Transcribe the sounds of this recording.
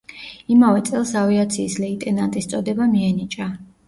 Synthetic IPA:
imavɛt̪sʼɛlˠsaviat̪sʰiːslɛit̪ʼɛnant̪ʼist̪sʼɔd̪ɛbamiɛnit͡ʃʼa

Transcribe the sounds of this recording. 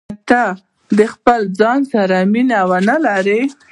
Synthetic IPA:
t̪a | d̪əxpəld͡zɑnsaɾaminawanalaɾe

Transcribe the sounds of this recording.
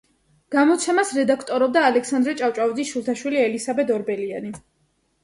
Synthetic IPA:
ɡ̥amɔt̪sʰɛmasɾɛd̪akʰt̪ʼɔɾɔb̚d̪aːlɛksand̪ɾɛt͡ʃʼaft͡ʃʼavid̪zisʃulˠt̪ʰaʃwiliɛlisabɛd̪ɔɾbɛliani

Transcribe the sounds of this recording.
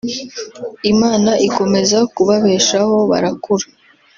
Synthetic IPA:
imaːnaʔiko̞me̞zakuβaβe̞ːʃaho̞βa̰ɾakuɾa

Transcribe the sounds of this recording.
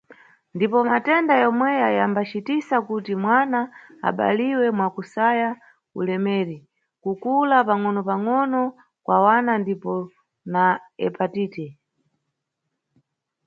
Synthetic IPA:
ndipɔmatɛndajɔmwɛjajambat͡ʃitisakutimwana̰ːɓa̰liwɛmwakusaja | ṵlɛmɛːɾi | kukulapaŋɔnɔpaŋɔnɔ | kwʔawanandipɔ | naɛ̰patiːtɛ

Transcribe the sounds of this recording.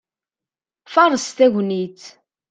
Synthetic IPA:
fɑɾˤəst̪æʝʷnit͡s

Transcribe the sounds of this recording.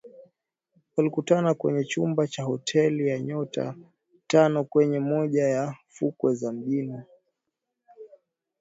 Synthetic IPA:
walikutanakwɛ̰ɲɛt͡ʃumbat͡ʃahɔtʰɛlijaɲɔta̰ | tanɔkwɛɲɛmɔʄajafukwɛzam̩ʄinɔ

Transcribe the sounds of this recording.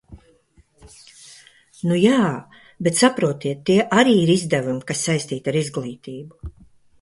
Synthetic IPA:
nujaː | bet̪sapɾuɔt̪iɛt̪ːiɛʔaɾiːiɾizd̪ævumikasːajsʲt̪iːt̪aɾizɡlˠiːt̪iːbu

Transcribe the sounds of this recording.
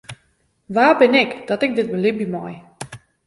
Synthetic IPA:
ʋaːbɪnɪkd̥ɔtɪk̚dɪt̚bəlɪbimɔj

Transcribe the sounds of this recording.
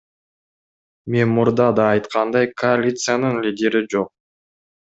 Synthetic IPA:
me̞nmuɾd̪ɑd̪ɑːjt̪qʰɑnd̪ɑjkʰoalʲit̪sɨjanɯnlʲidʲe̞ɾid͡ʒo̞q̚

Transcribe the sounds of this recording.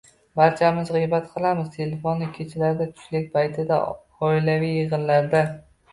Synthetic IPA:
baɾt͡ʃʰamɪzʁɨjbat̪qʰɨlˠamɪz̥t̪ʰe̞lefonːɪkʲʰet͡ʃʰɪlaɾd̪at̪ʰʊ̥ʃlɪk̚ʲpʰajt̪ʰɪd̪a̰ | ɒɪlavijːɨʁɨnlaɾd̪a

